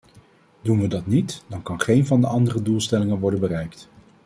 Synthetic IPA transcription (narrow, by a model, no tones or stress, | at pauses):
dunʋədɑtnitd̥ɑnkɑnχejnvɑndəɑndərədulˠstɛlɪŋənʋɔɹdənbərɛjkt